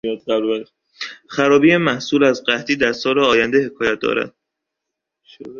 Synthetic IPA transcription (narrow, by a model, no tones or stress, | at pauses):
xæɾɒːbiːemæhsuːlæzɢæht̪ʰiːd̪æɾsɒːleɒːjænd̪ehe̞kʰɒːjæt̪̚d̪ɒ̰ːɾæ̰d̪̥̚